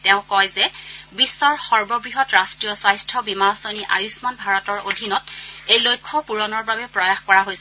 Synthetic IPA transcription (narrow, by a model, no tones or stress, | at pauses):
tɛʊ̃kɔjzɛbisːɔɹxɔɹbɔbɹiɦɔtɹastɹijɔswajstʰɔbimaɹɔsoniʔa̰jusmanbʱaɹɔtɔɹodʱinɔtejlojkʰːɔpuɹɔnɔɹbabɛpɹɔjaxkɔɹaɦojsɛ